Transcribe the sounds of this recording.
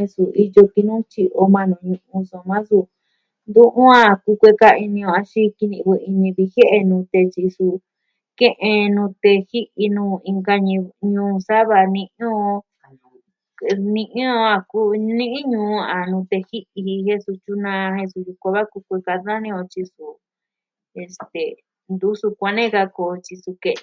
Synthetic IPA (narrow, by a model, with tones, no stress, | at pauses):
he˧su˨i˧jo˧ki˧nũ˦t͡ʃi˧ʔo˧mã˧nũ˧ɲũ˧ʔũ˧so˧˨mã˦su˧ | nd̪ũ˦ʔũ˦a˦˧˨ku˧kʷe˧ka˧i˧nĩ˧õ˧a˧ʃi˦ki˧nĩ˧βu˧i˧nĩ˧ði˧he˦ʔe˧nũ˧t̪e˧t͡ʃi˧su˧ | kẽ˦ʔẽ˧nũ˧t̪e˧hi˦ʔi˧nũː˧ĩ˧ŋɡa˧ɲ̃˧ɲũː˧˦˧sa˦βa˧nĩ˧ʔõ˦˧ | nĩ˧ʔĩ˦õ˧a˧ku˦nĩ˦ʔĩ˦ɲũ˧a˨nũ˧t̪e˧hi˦ʔi˧he˧su˧t͡ʃu˦nã˧he˧su˧ju˧ko˧βa˦ku˧˦kʷe˧ka˧nã˦nĩ˦˧õ˧t͡ʃi˧su˧ | e˨˧st̪e˨ | nd̪u˦su˧kʷa˧nẽ˦ka˧ko˧t͡ʃi˧su˧ke˧˨˧